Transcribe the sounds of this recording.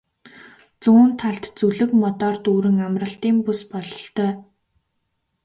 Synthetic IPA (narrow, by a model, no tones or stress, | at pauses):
t͡suːnt̪ʰːaɬt̪t͡suɮɘ̆kmɔt̪ɔːrt̪uːɾɘ̆ŋamrə̆ɬt̪iːmpuspɔɮɞɬt̪œː